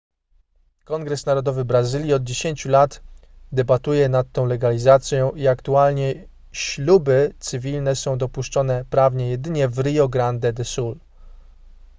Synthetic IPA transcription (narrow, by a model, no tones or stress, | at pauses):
kɔŋɡɾɛsnaɾɔd̪ɔvɘbɾazɘlʲjiɔd̪̚d͡ʑeɕeɲt͡ɕulat̪d̪ɛbat̪ujɛnat̪ːɔ̃w̃lɛɡalʲizat̪sʲjɔ̃w̃iakt̪ualɲɛ | ɕlubɘt̪sɘvʲilnɛsɔ̃w̃d̪ɔpuʂt͡ʂɔnɛpɾavɲɛjɛd̪ɘɲɛvɾɘjɔɡɾand̪ɛd̪ɛsul